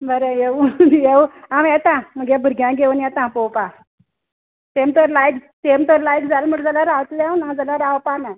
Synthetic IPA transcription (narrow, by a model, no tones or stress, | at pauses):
bəɾejeʋjeʋamjɛt̪ãməɡebʱəɾɡjãɡeʋunjɛt̪ãpowpa | t̪emt̪əɾlajkt̪emt̪əɾlajkd͡zalm̤əʈd͡zəlaɾaʋt̪ljawnãd͡zəlaɾaʋpana